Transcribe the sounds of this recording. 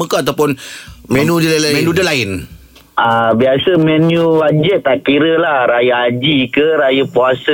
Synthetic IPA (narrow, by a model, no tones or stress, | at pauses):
mə̃kaat̪awpʊnmɛ̃nũdəlalamɛnũdəlaɪn | ʔabiasəmɛ̃njuwad͡ʒɛt̪̚ːaʔkiɾəlahɾajaad͡ʒikəɾajəpuasə